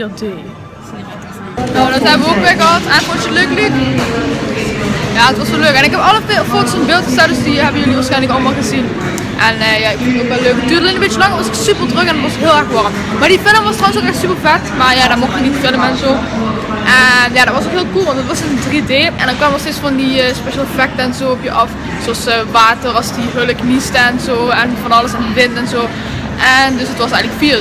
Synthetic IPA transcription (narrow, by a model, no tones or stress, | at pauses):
deː | nodɑtɦɛbəʋəokmekəɦɑtɛnfɔnst͡ʃəløːklik | jaːətʋɑsoløːkɛnɪkɛpɑləfotsənbɪːlˠtxəzɛt̚dəsdiɦɛbənjɵliʋaːɹsxɛjnləkɑləmaːlˠɣəzin | ʔɛnəjaɪkfɪntoːkʋɛløːkətydəlˠənəmbɪt͡ʃəlɑŋəʋɑsɪksypərtrøkɛndɑtʋɑsɦɪəlˠɛxʋɑrəm | maːɹdifɪləmʋɑstrɑwənsokɛxtsypərvɛtmaːɹjaːdamoxtʋənitfɪləmɛnzoː | ʔɛnjaːdɔtʋɑsokɦɪːlˠkulˠʋɑntdɑtʋɑsɪnədrideːʔɛ̰ndɑnkʋaːmənɔsteːtsfɑndiəspeʃaːlˠfɛk̚təɛnzoːɔpjəʔɑf | zoɑsʋaːtərɑlˠsdiɦøləknistəɛnzoːɛnvɑnɑləsɛndiʋɪntɛnzoː | ʔɛndɵsɦətʋɑsɛjɣənləkfil